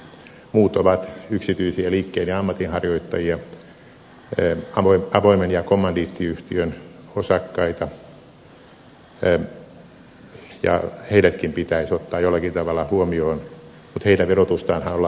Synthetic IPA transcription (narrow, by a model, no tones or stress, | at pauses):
muːt̪oʋɑt̪yksit̪yisiæliːkːeinjɑɑmːɑt̪inhɑrjoit̪ːɑjiɑ | ɑoiɑʋoimenjɑkomːɑndiːt̪ːiyht̪iøn | osɑkːɑit̪ɑ | jɑ̰heilæt̪kimpit̪æisot̪ːɑːjolːɑkint̪ɑʋɑlːˑɑhuomioːn | mut̪heilæʋerot̪ust̪ɑːnhɑnolːɑ